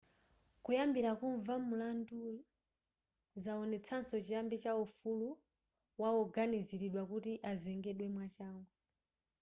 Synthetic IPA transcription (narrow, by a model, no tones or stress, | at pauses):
kujambiɾakuɱvamulandu | zaɔnɛt͡sʰansɔt͡ʃijambit͡ʃaufulu | waɔɡaniziɾiɗwakutiʔazɛŋɡɛɗwɛmwat͡ʃaːŋɡɔ